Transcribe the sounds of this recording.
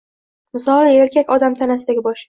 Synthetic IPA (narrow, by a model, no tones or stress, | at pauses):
mɪsɒlˠe̞ɾkʲʰakʲɒd̪amt̪ʰanasɪd̪aɡʲɪbɒʃ